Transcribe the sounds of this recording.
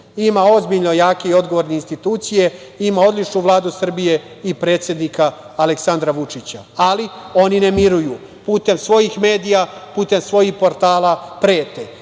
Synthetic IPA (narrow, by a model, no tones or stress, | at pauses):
imao̞zbiʎno̞jaːke̞io̞d̪ɡo̞ʋoɾneinst̪it̪uːt̪sije̞ | imao̞d̪lit͡ʃnuʋlˠaːd̪usr̩bije̞ | ipɾe̞ːt̪sʲje̞d̪nikaː | leksand̪ɾaʋut͡ʂit͡ɕaalio̞ninemiɾuju | puːt̪e̞msʋo̞jixme̞ːd̪ijapuːt̪e̞msʋo̞jixpo̞ɾt̪aːlapɾe̞ːt̪e